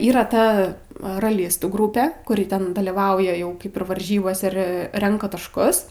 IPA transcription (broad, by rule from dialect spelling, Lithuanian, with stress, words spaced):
iːˈrɐ ˈtɐ rɐˈlʲɪstuː ˈɡrʊpʲɛ kʊˈrʲɪ tʲɛn dɐlʲiːˈʋɐʊjɛ ˈjɛʊ ˈkɐɪp ɪr ʋɐrʲˈʒʲiːboːsʲɛ ˈɪr ˈrʲɛŋkɐ tɐʃˈkʊs